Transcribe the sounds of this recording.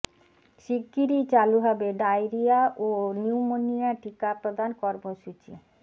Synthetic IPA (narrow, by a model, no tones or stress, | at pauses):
ʃiɡːiɾit͡ɕaluɦabeɖajɾijaʔoniumoniaʈikapɾod̪ʱankɔɾmoʃut͡ɕḭ